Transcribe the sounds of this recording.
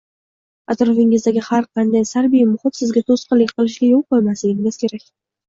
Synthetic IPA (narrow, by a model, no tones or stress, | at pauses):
at̪ɾɒfɪŋɪzd̪aɡʲɪhaɾqʰɑnd̪ajsaɾbijmʊχɪt̪sɪzɡʲat̪ʰosqɨlːɪkʲqɨlˠɪʃɡʲajolˠqolˠmaslɪɡʲɪŋɪz̥kʲʰe̞ɾakʲ